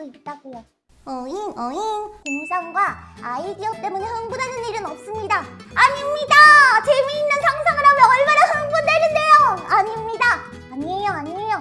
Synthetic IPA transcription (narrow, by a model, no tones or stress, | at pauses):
oit̚t͈aɡujo | ʌinʌinkoŋsʰaŋɡwaaidiʌt͈e̞munehɯŋbunɦanɯniɾɯnʌp̚s͈ɯmɲidaaɲimɲidat͡ɕe̞miːnːɯnsʰaŋsʰaŋɯɾamɯʌɭmanaɦɯŋbundenɯnde̞joaɲimɲida | aɲie̞joaɲiejo